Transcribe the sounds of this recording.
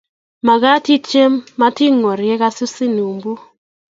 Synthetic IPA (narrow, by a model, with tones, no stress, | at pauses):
ma˨ɡa˦ti˦t͡ʃe˦mːa˦ti˦ŋo˨ɾjɛ˦ka˦sʊ˦sɪ˦nu˨mbu˦